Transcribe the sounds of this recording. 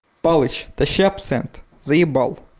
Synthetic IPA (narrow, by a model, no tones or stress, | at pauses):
pɑlˠɪt͡ʃt̪ɐʃɛɐpsɛ̰nt̪ | zɐjibɑ̰lˠ